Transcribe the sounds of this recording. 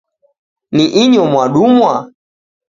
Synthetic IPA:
niʔiɲɔmwaɗumwa

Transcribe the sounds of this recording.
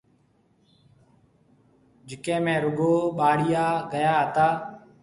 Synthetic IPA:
d͡ʒɪkẽːmẽːɾʊɡʱoːɓaːɽɪjaːɡəjaːɦət̪aː

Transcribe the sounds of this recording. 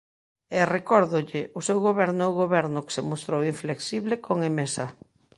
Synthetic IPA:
erekɔɾðʊʎɪʔʊsewɣoβɛɾnʊɛʊɣoβɛɾnʊke̥semost̪ɾowiɱfleksiβlekoŋemesa

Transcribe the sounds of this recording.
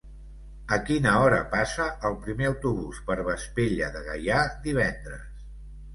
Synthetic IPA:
əkinəɔɾə̰pasəʔəlˠpɾimeəwt̪uβ̞uspəɾβəspeʎəðəɣə̰jad̪iβ̞ɛnd̪ɾəs

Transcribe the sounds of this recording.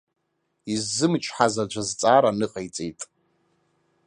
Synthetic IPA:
izːɨmt͡ʃʰʼħazad͡ʒʷazt͡sʼaːɾanɨqʼejt͡sʼḛjtʼ

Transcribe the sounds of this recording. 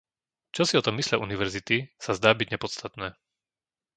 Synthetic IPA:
t͡ʃɔsiɔt̪ɔmːislɪaʔuniʋɛɾzit̪isazd̪aːbiɟɲɛpɔt̪st̪at̪nɛː

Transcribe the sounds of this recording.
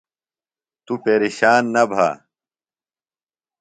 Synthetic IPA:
t̪upeːɾiɕaːnːɐbʱa̰ː

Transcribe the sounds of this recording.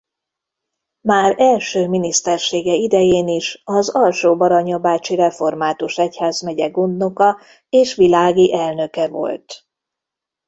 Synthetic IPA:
maːɾɛlʃøːminist̪ɛrʃeːɡɛid̪ɛjeːniʃɒzɒlʃoːbɒɾɒɲɒbaːt͡ʃiɾɛfo̞rmaːt̪uʃɛchaːzmɛɟɛɡond̪no̞kɒ | eːʃʋilaːɡiʔɛlnø̞kɛvo̞̰lt̪

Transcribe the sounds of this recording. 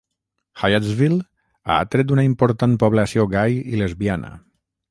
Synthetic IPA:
xajazvil | a̰a̰t̪ɾet̪unaimpoɾt̪anpoβ̞lasioɣajilezβianə̰

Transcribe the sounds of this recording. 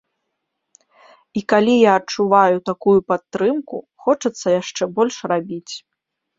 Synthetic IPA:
ikalʲijaːt͡ʂuvajut̪akujupat̪ːɾɨmku | xɔt͡ʂɐt̪sːɐjaʂt͡ʂɛbɔlʲʂrabʲit͡sʲ

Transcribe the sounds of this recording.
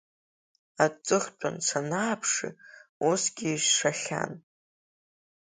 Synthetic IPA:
at͡sʼɨχʲt͡pʷʰʼansʷʰanaːpʰʂḭusɡʲiːʒʂaχʲa̰n

